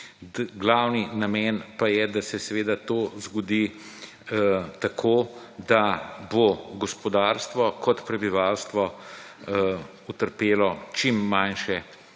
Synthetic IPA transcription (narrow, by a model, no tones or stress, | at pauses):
ɡlawninamɛnpajɛd̪asɛsɛʋeːd̪at̪ozɡɔd̪i | t̪akʰoːd̪aboɡɔspɔd̪aɾst̪ʋɔkɔt̪pɾɛbiʋalst̪ʋɔ | ut̪əɾpeːlɔt͡ʃimːanʃɛ